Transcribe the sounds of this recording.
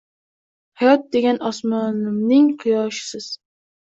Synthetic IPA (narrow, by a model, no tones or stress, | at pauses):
hajɒt̪̚d̪eɡʲɛnɒsmɒnɪmnɪŋqʰɨjɒːʃɪ̥sɪz̥